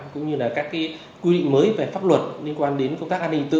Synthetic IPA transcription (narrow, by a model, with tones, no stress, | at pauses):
kʊ̰˧˥ŋ͡mɲɨ˧laː˨˩kaː˦˥kːaː˨˦j | kwi˧ɗḭ˧˨ŋ̟məː˨˦jve˨˩faː˦˥p̚lwə˨˩t̚li˧ənkwaː˧nɗe˨˦nkə˧wŋ͡mt̪aː˦˥kʔaː˧ni˧ŋt̪ɨ̰˧